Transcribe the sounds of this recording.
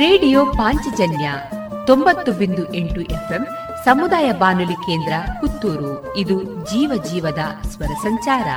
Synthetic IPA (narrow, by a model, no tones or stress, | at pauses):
ɾeːɖijoːpaːɲt͡ʃid͡ʒɐnjɐ | t̪o̞mbɐt̪ːubind̪uʔeɳʈuʔepʰem | sɐmud̪aːjɐbaːnulike̞ːnd̪ɾɐkut̪ːuːɾu | id̪ud͡ʒiːʋɐd͡ʒiːʋɐd̪ɐsʋɐɾɐsɐɲt͡ʃaːɾɐ̰